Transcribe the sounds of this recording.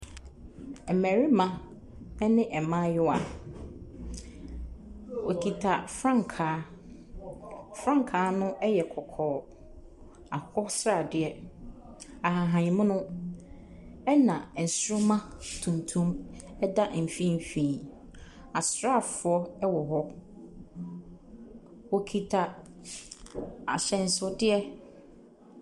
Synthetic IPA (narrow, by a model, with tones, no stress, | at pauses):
ɛ˨mæ̃˨ɾi˦mã˦ | ɛ˦nɪ̃˦ʔɛ˨mã˦jʊ˦a˨ | wɔ˨kʰi˨tʰa˨fɾã˦˨ŋ˨kʰaː˨˦ | fɾã˦ŋ˨kʰaː˨˦nʊ̃˦ɛ˦jɛ˨kʰɔ˨kʰɔː˨ | a˨hɔ˦sɾa˨dɪ˨ɛ˨ | a˨ɦa˨ɦã˨ɲĩ˨mʊ̃˦nʊ̃˦ | ɛ˦nã˨n̩˨sɾʊ˦mã˦tʰũ˨n˨tʰũ˦mɛ˦da˦m̩˨fĩ˦m˨fĩː˨ | a˨sɾa˦˨fʊ˨˦ɔ˦ɛ˦wɔ˨ɦɔ˦ | wɔ˦kʰi˦tʰa˦ | a̰˨ɕɛ̃˨n̩˨sʊ˦dɪ˦ɛ˦